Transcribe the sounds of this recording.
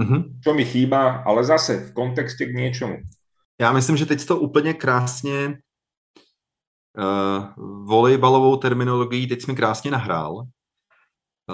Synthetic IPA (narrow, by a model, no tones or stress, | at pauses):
m̩ɦm̩t͡ʃɔmixiːbaʔa̰lɛzasɛfkɔnt̪ɛkscɛɡɲɪɛt͡ʃɔmṵ | jaːmɪslɪmʒɛt̪ɛcst̪oʔuːpl̩ɲɛkɾaːsɲɛ | volɛjbalo̞vo̞wt̪ɛɾmɪnolo̞ɡɪjit̪ɛcsmɪkɾaːsɲɛnaɦɾa̰ːl